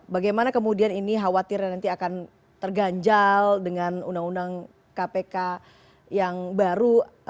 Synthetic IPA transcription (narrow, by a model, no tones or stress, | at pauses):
baɡajmanakəmudianiniɦawat̪ɪrjanant̪iakan | t̪ərɡaɲd͡ʒaldəŋanundaŋunaŋ | kapeka | jaŋbaɾu